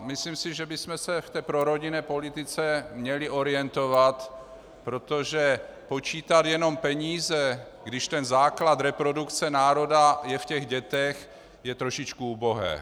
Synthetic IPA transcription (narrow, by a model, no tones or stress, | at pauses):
mɪslimsɪʒɛbɪsmɛsɛft̪ɛːpɾo̞ɾo̞ɟɪnɛːpo̞lɪt̪ɪt͡sɛmɲɛlɪʔo̞ɾɪɛnt̪ovat̪ | pɾo̞t̪o̞ʒɛpo̞t͡ʃiːt̪at̪jɛno̞mpɛɲiːzɛ | ɡdɪʃt̪ɛnzaːklat̪ɾɛpɾo̞dukt͡sɛnaːɾo̞dajɛfcɛɣɟɛt̪ɛx | jɛt̪ɾo̞ʃɪt͡ʃkuuːboɦɛ̰ː